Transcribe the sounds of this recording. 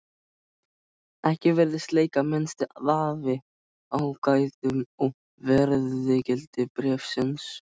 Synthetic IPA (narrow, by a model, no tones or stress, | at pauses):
ɛhcɪvɛɾðɪst̪leːjkamɛnst̪ɪðaːvɪ | awkaːjðʏmɔɣ | vɛɾððɪcɛlt̪ɪpɾɛːfsɪns